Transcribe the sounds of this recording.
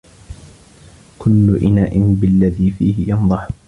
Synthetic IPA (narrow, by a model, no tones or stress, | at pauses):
kʰʊlːʊʔɪnaːʔɪnbɪlːaðiːfiːhɪjɑnðˤɑħ